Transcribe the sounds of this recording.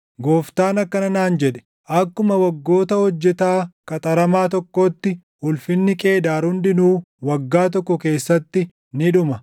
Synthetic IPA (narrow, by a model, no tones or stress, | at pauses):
ɡoːft̪aːnɐkːɐnɐnaːnd͡ʒɛᶑɛ̥ | ʔɐkːʊmɐwɐɡːo̞ːt̪ɐhɔd͡ʒːɛt̪aːkʼɐt̪ʼɐɾɐmaːt̪ɔkːoːt̪ːɪ | ʊlfɪnːɪkʼe̞ːd̪aːɾʊnd̪ɪnuː | wɐɡːaːt̪̬ɔkːɔke̞ːsːɐt̪ːɪ | nɪᶑʊmɐ